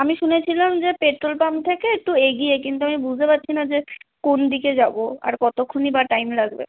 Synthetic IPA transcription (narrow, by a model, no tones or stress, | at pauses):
amiʃunet͡ɕʰilamd͡ʑepeʈɾolpamt̪ʰekeek̚ʈueɡiek̬int̪̬uamibud͡ʑʱt̪epat̪ːɕʰinad͡ʑekond̪iked͡ʑaboa̰ɾkɔt̪okʰːonibaʈajmlaɡbḛ